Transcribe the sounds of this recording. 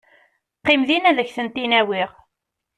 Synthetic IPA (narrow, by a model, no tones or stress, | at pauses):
qːimðinæðəçθənt̪inæwiʁ